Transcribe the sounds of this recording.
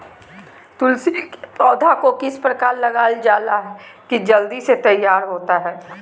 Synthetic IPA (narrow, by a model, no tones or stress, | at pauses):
t̪ʊlsipɔːd̪ʱakokɪspɾɐkaːɾlɐɡaːld͡ʒaːlaɦɛkid͡ʒɐld̪iset̪ɐjːaːɾɦoːt̪aɦɛː